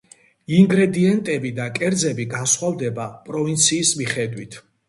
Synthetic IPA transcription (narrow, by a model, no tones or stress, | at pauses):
iŋɡɾɛd̪iɛnt̪ʼɛbid̪akʼɛɾd̪zɛbiɡansχwavd̪ɛbapʼɾɔvint̪sʰiːsmiχɛd̪wit̪ʰ